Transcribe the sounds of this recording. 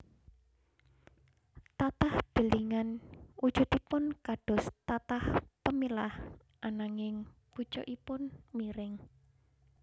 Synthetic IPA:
t̪at̪ahd̪̥ə̤liŋanud̥d͡ʒ̥ṳd̪ipʊnkaɖ̥ɔ̤st̪at̪ahpəmilah | ʔanaŋɪŋ | b̥ut͡ʃɔ̰ʔipʊnmiɾɪŋ

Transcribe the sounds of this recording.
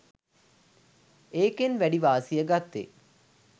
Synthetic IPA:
eːkenʋæɖiʋaːsijəɡat̪ːḛ

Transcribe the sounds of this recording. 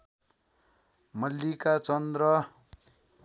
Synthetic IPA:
mʌlːikat͡sʌnd̪rʌ

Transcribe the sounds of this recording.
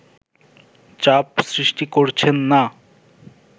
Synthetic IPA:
t͡ɕapsɾiʃʈikoɾt͡ɕʰenːa

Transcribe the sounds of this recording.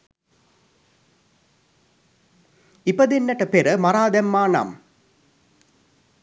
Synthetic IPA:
ipəd̪enːɐʈəpeɾəmaɾaːd̪æmːaːna̰m

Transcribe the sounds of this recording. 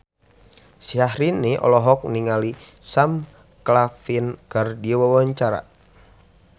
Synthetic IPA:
siahɾiniʔɔ̰lɔɦɔk̚niŋali | sam | klafinkɨrdiwawaɲt͡ʃaɾa̰

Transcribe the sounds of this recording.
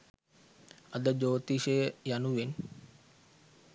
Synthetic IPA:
əd̪əd͡ʒoːt̪iʃəjəjanuʋen

